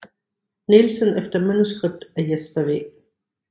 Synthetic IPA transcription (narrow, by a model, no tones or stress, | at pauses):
nilsənefd̥ɐmænusɡ̥ʁeb̥̚d̥æjesb̥ɐʋḛ